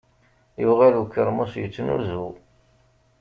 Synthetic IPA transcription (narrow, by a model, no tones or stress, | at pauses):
juʁalukːəɾmusjət͡sːnṵzu